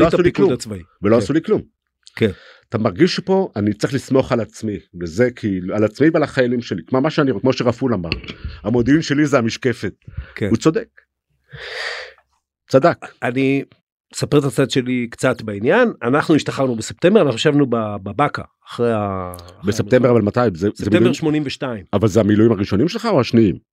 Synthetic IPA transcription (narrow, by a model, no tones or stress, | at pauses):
loastulikuudat͡svaiveloasuliklum | ken | at̪amaʁɡiʃepo̞ʔanit͡seχlismo̞χalat͡smibezekʰialat͡smivealaχajalimʃe̞likmomaʃeaniʁokmo̞ʃeʁafulamaʁamo̞d̪iinʃe̞lizeamiʃke̞fe̞t̪̚keut͡sod̪ek | t͡sadakani | sapeʁet̪at͡sad̪ʃe̞likt͡sat̪bainjananaχnuiʃt̪aχaʁnubesep̚t̪embeanaχuaʃavnubababaka̰ːχʁejabesept̪embeavalmat̪ajimzeszeemitebeʃmo̞nimveʃtaimavalzeamilujimaʁiʃo̞nimʃelχauaʃniim